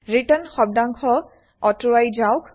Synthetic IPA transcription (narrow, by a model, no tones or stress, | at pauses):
ɹitənxɔb̚daŋkʰɔ | ɔtʊwajzawk